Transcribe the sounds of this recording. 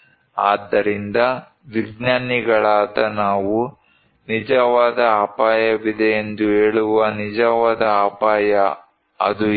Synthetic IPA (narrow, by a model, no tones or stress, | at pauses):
aːd̪ːɐɾind̪ɐ | ʋiɡnaːniɡɐɭaːt̪ɐnaːʋu | nid͡ʒɐʋaːd̪ɐaːpaːjɐʋid̪ɛend̪uɦeːɭuʋɐnid͡ʒɐʋaːd̪ɐaːpaːjɐ | ɐ̰d̪u